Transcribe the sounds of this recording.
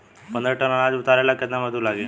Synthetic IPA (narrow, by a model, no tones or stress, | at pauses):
pənd̪ɾəʈənanad͡zut̪aɾajlakət̪naməd̪ʱũlaɡe